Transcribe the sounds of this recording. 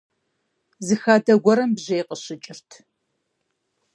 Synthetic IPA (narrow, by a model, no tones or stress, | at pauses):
zɨxaːdɐɡʷɔɾɐmbʑejqəɕɪt͡ʃʼɪrtʰ